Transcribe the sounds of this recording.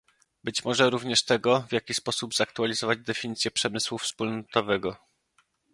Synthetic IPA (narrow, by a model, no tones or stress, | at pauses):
bɘt͡ɕmɔʐɛɾuvɲɛʂt̪ɛɡɔvʲjakʲispɔsubzak̚t̪ualʲizɔvad͡ʑd̪ɛfʲiɲit̪sʲjɛpʂɛmɘswufspulnɔt̪ɔvɛɡɔ